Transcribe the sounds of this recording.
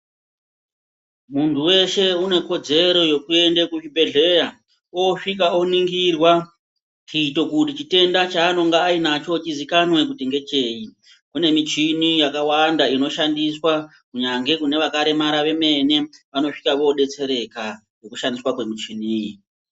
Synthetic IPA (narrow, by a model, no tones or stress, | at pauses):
muntʰuwe̞ʃe̞une̞ko̞d͡ze̞ɾo̞jo̞kue̞ndekut͡ʃibʱe̞ɮe̞ja | oʂik̬aoniŋɡirwa | t͡ʃiːto̞kutit͡ʃite̞ndat͡ʃaːno̞ŋɡaːinat͡ʃo̞t͡ʃizikanwe̞k̬uteŋɡe̞t͡ʃe̞ːi | kune̞mit͡ʃinijakawandaino̞ʃandiswa | kuɲaŋɡe̞kune̞ʋakaɾe̞maɾaʋe̞me̞ne̞ʋano̞ʂikaʋo̞ɗe̞t͡se̞ɾe̞ka | jo̞kuʃandiswakwe̞mit͡ʃiniːji